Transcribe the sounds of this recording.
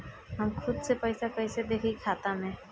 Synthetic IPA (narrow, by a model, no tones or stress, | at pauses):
ɦamkʰud̪sepəjsakəjsed̪ekʰikʰat̪anɛ